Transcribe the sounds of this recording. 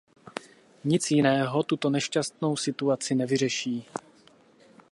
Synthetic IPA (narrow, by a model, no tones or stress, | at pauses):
ɲɪt͡sjɪnɛːɦo̞t̪ut̪o̞nɛʃcast̪̚no̞wsɪt̪uat͡sɪnɛvɪr̝ɛʃiː